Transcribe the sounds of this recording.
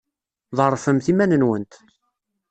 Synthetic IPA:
ðˤərˤːfəmθimænənwənt̪

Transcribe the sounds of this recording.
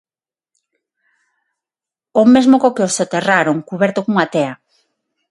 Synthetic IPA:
omezmokokeosot̪eraɾoŋkuβɛɾt̪okoŋuat̪ea

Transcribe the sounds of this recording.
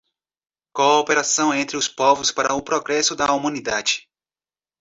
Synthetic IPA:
koːpeɾasɐ̃w̃ẽnt̪ɾɪʊspɔvʊspaɾɐʊpɾɔɡɾɛsʊd̪ɐumɐ̃nid̪ad͡ʒɪ̥

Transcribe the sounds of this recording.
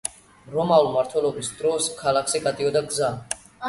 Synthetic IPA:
ɾɔmaulmaɾt̪ʰwɛlˠɔbisd̪ɾɔskʰalakʰʃiɡat̪ʼiɔd̪aɡza

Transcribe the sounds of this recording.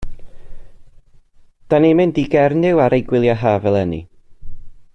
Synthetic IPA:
d̥animɪndiɡɛrnɪwaɾʔejɡwɪlˠjaɦaːvɛlˠɛnḭ

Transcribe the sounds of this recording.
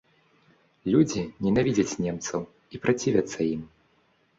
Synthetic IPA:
lʲud͡zʲinʲɛnavʲid͡zʲɐt͡sʲnʲɛmt̪sɐw | ipɾat͡sʲivʲɐt̪sːɐim

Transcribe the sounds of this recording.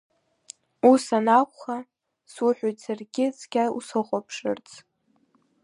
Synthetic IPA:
usanakʷχa | swʊħʷᶣojtʼsarɡʲɪt͡sʰʼɡʲaṵsɨχʷʼopʰʂɨ̰rt͡sʰʼ

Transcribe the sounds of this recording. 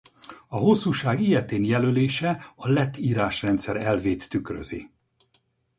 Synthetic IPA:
ɒɦo̞sːuːʃaːɡijɛt̪eːnjɛløleːʃɛɒlɛt̪ːiːɾaːʃrɛnt̪sɛɾɛlveːt̪ːykrø̰zḭ

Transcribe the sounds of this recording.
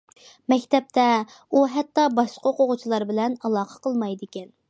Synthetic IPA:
mɛkʲt̪ɛp̚t̪ʰɛ | uɦɛt̪ːɑbɑʃqəqoʁʊt͡ʃʰilˠɑɾbɪlɛnɑlˠɑːqʰə̥qʰəlˠmɑjd̪ɪkʲɛn

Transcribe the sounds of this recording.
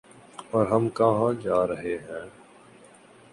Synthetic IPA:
ɔːɾɦɐmkaɦãːd͡ʒaːɾəɦeɦɛ̃ː

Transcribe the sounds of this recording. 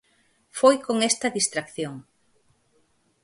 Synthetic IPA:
fojkoŋest̪ɐðist̪ɾakθjoŋ

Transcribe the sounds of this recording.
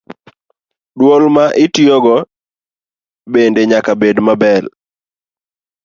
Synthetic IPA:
dwolmaʔɪtjoɡɔ | bendeɲakabedmabɛl

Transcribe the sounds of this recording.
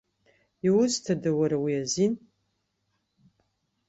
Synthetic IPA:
iwʊztʰadɨwaɾawiazin

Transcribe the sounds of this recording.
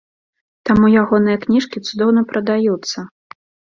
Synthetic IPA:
t̪amujaɣɔnɨjɐknʲiʂkʲit̪sud̪ɔwnɐpɾɐd̪ajut̪sːɐ

